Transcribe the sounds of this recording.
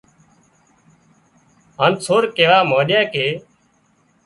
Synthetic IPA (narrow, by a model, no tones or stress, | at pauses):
ɦãːnsʰoːɾkeːʋaːmãːɗjãːkeː